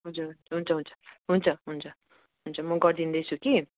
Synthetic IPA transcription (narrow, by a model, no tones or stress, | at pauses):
ɦʌd͡zuɾɦunt͡sʌɦunt͡sʰʌɦunt͡sʰʌ̥ɦunt͡sʰʌɦunt͡sʰʌ | ɦunt͡sʰʌmʌɡʌɾd̪ind̪ʌjt͡sʰuki